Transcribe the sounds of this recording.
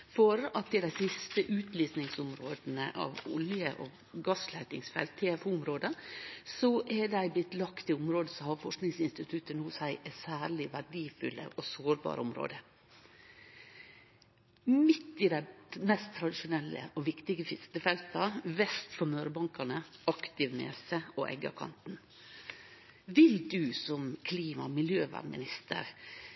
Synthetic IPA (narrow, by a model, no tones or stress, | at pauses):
fɔɾɑt̪ɪd̪æɪsɪst̪əʔʉːt̪ʰliːsnɪŋsʊmɾoːd̪n̩əʔɑ̰ʋʊ̰ljəʔɔ | ɡɑslæɪt̪ɪŋsfɛ̰lt̪ʰːeɛfuːʊmɾoːd̪əsɔʔɛd̪æɪblɪt̪ːlɑkt̪ɪʊmɾoːd̪əsɔhɑɾfɔʂknɪŋsɪnst̪ɪt̪ʰʉt̪ːənʊsæɪʔɛsæːɭɪʋæɖiːfʉ̰lːə̰ʔɔsoːɾbɑ̰ːɾʔəʊmɾo̰ːd̪ə | mɪt̪ːɪd̪æɪmɛst̪ʰːɾɑd̪ɪʃʊnɛlːə̰ʔɔʋɪkt̪ɪɡəfɪst̪əfɛlt̪ɑʋɛst̪fɔmøːɾəbɑŋkɑnəɑkt̪ɪʋnḛːsəɔʔɛ̰ɡɑ̰kʰɑ̰nt̪n | ʋɪld̪ʉsɔmkʰliːmɑmɪljøːʋæ̰mɪnɪst̪ʰə̰ɾ